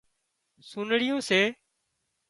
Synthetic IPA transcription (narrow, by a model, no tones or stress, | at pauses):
suːnɽɪjõːseː